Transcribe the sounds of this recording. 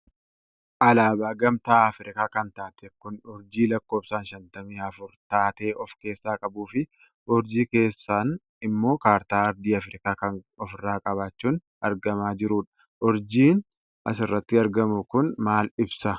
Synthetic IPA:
ʔɐlaːbaːɡɐmt̪aːɐfɾɪkaːkɐnt̪aːt̪ɛkʊnɔɾd͡ʒiːlɐkːoːbsaːnʃɐnt̪ɐmiːɐfʊɾt̪aːt̪e̞ːʔɔfke̞ːsːaːkʼɐbuːfɪ | ʔɔɾd͡ʒiːke̞ːsːaːn | ɪmːo̞ːkaːɾt̪aːɐɾd̪iːɐfɾɪkaːkɐn | ɔfɪrːaːkʼɐβaːt͡ʃːuːn | ɐɾɡɐmaːd͡ʒɪɾuːᶑɐ̥ | ʔɔɾd͡ʒiːn | ʔɐ̰s̬ɪrːɐt̪ːɪɐɾɡɐmʊkʊnmaːlɪbsɐ

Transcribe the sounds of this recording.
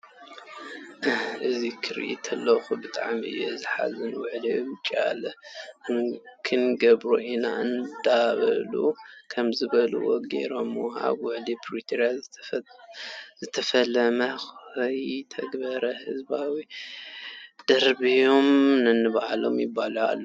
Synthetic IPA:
ʔɨzikʰɨɾ̰ʔḭt̪ʰɐlːɐxubɨt̪ʼa̰ʕmiʔɨ̰jːɛ̰ɨzɨħa̰zɨnwʊʕlit͡ʃʼa̰lɐɨŋkʰɨnɡɐbɾoʔina̰ʔɨnd̪aβɐ̰lṵkʰɐmzɨβɐlṵwoɡe̞̰ɾomːoha̰βwʊʕlipʰɾit̪ʰiɾja | zɨt̪ʰɐfɐlːɐmɐxɐjt̪ʰɐɡbɐɾɐhɨzbawi | d̪̥ɐɾbijo̞mnɨnːɨβʕalo̞̰mjɪbːala̰lː

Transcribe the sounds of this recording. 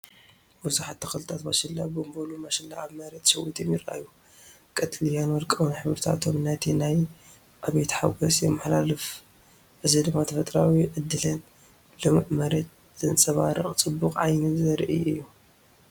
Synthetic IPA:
bɨzuħat̪ʰːɐxɨlɨt̪ʰat̪bɐʃɨlːabombolumɐʃɨlːa̰ʔaβmɐɾet̪ʃɐwit̪ʰomjɪɾʔa̰jːu | kʼɐt̪ʰʼlijanwɔlkʼɐwnħɨβɾɨt̪ʰa̰t̪ʰomnat̪ʰinaj | ʔaβet̪ħaɡɐsjɛmːɨħlalɨf | ʕɨzid̪ɨmːat̪ʰɐfɐt̪ʼɾawiʕɨd̪ːɨlɨn | lɨmʔmɐɾet̪̚ | zɨnt͡sʼɐβaɾɨχʼt͡sʼɨbːukʼʕajnɨzɐɾʔijɨjːu

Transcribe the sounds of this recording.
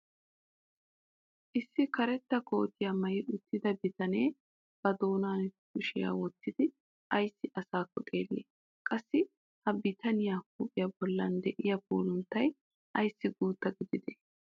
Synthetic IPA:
ʔɪsːɪkɐɾɛt̪ːɐko̞̰ːt̪ɪjamɐjɪʔʊt̪ːɪd̪ɐbɪt̪ɐne̞ː | b̥ɐd̪o̞ːnaːnkʊʃɪja̰ːwɔt̪ːɪd̪ɪ | ʔɐjsːɪʔɐsaːkːɔt̪ʼeːlːḛː | kʼɐsːɪ | hɐbɪt̪ɐnɪjaːkuːpʼːɪjɐbɔlːɐnd̪ɛʔɪjɐbo̰ːlʊnt̪ːɐj | ʔɐjsːɪɡuːt̪ːɐɡɪd̪ɪd̪ɛ

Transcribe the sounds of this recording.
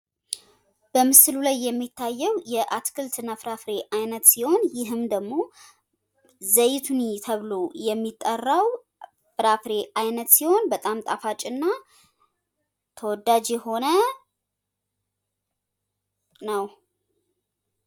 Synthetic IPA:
b̥əmɨsɨlulajːɛmːit̪ʰːajːɛwjɛʔat̪kʰɨlt̪ʰɨnafɾafɾe̞ʔajnət̪siho̞njɪɦɨmd̪əɡmo̞ | zəjɪt̪ʰunt̪ʰəβlo̞jɛmːit̪ʼːərːaw | fɾafɾe̞ʔajnət̪siho̞nbət̪ʼamt̪ʼafat͡ʃʼɨnːa | t̪ʰəwɔd̪ːad͡ʒjɛho̞nə | nəw

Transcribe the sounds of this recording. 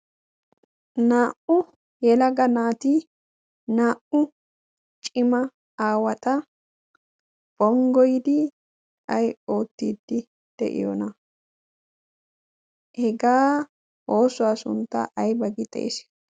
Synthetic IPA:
naːʔʊ | jɛlɐɡɐnaːt̪i | naːʔʊ | t͡ʃʼɪmɐ | aːwɐt̪ʼɐ | b̥ɔŋɡɔjd̪ɪ | ʔɐjo̞ːt̪ːiːd̪ːɪ | d̪̥ɛ̰ʔɪ̰jɔ̰nɐ | hɛɡaː | o̞ːsʊwaːsʊ̰nt̪ːɐ̰ʔɐjbɐɡɪt̪ʼɛ̰j̰s

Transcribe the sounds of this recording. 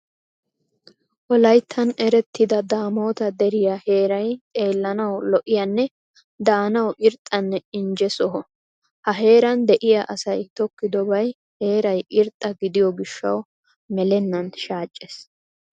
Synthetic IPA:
ʔɔlɐjt̪ʰːɐnɛɾɛt̪ʰːɪd̪ɐd̪aːmo̞ːt̪ɐd̪ɛɾɪjɐhe̞ːɾɐjt̪ʼe̞ːlːɐnɐwlɔʔɪjɐnːɛ | d̪aːnɐwʔɪɾt̪ʼːɐnːɛɪnd͡ʒɛsɔɦɔ | hɐɦe̞ːɾɐnd̪ɛʔɪjɐʔɐsɐjt̪ɔkːɪd̪ɔbɐj | he̞ːɾɐjɪɾt̪ʼːɐɡɪd̪ɪjɔɡɪʃːɐ̰w | mɛlɛnːɐnʃaːt͡ʃʼːes

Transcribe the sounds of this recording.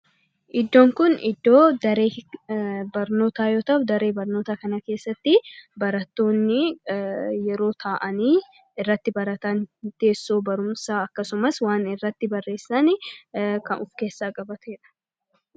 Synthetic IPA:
ʔɪd̪ːo̞ːŋkʊnɪd̪ːo̞ːd̪ɐɾeː | bɐɾno̞ːt̪aːjoːt̪ɐd̪ɐɾe̞ːbɐɾno̞ːt̪aːkɐnɐke̞ːsːɐt̪ːɪbɐɾɐt̪ːo̞ːnːɪ | jɛɾo̞ːt̪ʰaːʔɐniː | ɪrːɐt̪ːɪbɐɾɐt̪aːnt̪e̞ːsːoːbɐɾʊmsaːɐkːɐsʊmɐswaːnɪrːɐt̪ːɪbɐrːe̞ːsːɐnɪkɐnʔʊfke̞ːsːaːkʼɐbɐt̪eːᶑɐ̥

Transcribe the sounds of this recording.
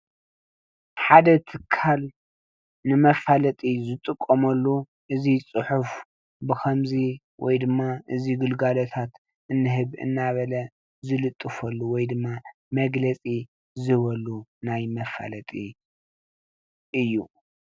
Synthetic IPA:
ħad̪ɐt̪ʰɨkʰːal | nɨmɐfalɐt̪ʼizɨt̪ʼɨkʼːomɐlːu | ʔɨzit͡sʼɨħuf | bɨkʰɐmzi | wʔɔ̰jd̪ɨmːaʔɨziɡɨlɡalot̪ʰat̪ | ʔɨnːɨɦɨβɨ̰nːaβɐlɐ | zɨlɨt̪ʼːɨfɐlːuwɔjd̪ɨmːa | mɐɡlɐt͡sʼi | zɨβɐlunajmɐfa̰lɐt̪ʼi | ʔɨjːu

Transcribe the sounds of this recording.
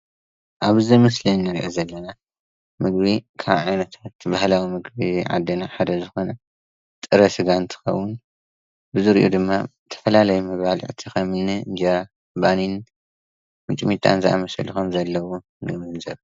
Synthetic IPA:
ʔaβɨzimɨslinːɨɾiʔozɐlːɐna | mɨɡbikʰaβʕajnɐt̪ʰat̪bahlawimɨɡbiʕa̰d̪ːɐnaħad̪ɐzɨxo̞nɐ | t̪ʼɨɾɐsɨɡant̪ʰɨ̥xɐ̰wːʊn | bɨzɨɾiʔo̰d̪ɨmːa | t̪ʰɐ̥fɐlalɐjumɐβalʕɨ̰t̪ʰixɐmɨnːɨɨ̰nd͡ʒeɾa | banin | mɨt͡ʃʼmit̪ʰʼa̰nzɨʔa̰mɐsɐ̰luxomzɐlːɐwu | nɨmɨɨnzɐβ

